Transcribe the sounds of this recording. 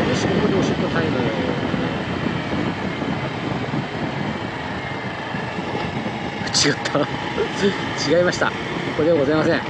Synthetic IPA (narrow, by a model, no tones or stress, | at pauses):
d̪eɕiɡok̪od̪ioɕt̪ːot̪ʰaimaoone | t͡ɕiɡat̪ʰːa | t͡ɕiɡaimaɕi̥t̪a̰ | kokod̪eaɡo̞zaimasẽŋ